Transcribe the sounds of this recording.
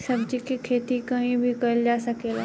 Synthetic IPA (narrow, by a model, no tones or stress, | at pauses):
sɐb̚d͡ʒikikʰeːt̪ikɐɦĩbʱikɐld͡ʒaːsɐkelɛ